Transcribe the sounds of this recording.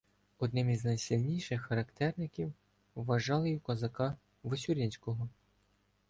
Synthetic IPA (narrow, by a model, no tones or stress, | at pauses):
ɔd̪nɪmizʲnɐjsʲilʲnʲijʃɪxːɐɾɐkt̪ɛrnɪkʲiwː | ɐʒɑlˠɪjukɔzɐkɑ | ʋesʲuɾʲinʲsʲkɔɦɔ